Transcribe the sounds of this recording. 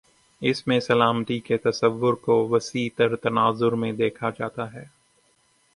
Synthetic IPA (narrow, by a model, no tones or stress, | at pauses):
ɪsmẽsɐlaːmt̪iket̪ɐsəʋːʊɾkoʋɐsiːt̪əɾt̪ɐnaːzʊɾmẽd̪eːkʰad͡ʒaːt̪aɦɛː